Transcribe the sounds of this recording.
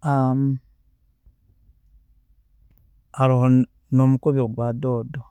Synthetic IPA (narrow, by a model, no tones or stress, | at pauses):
am | aɾoho | nomukoβioɡwadodo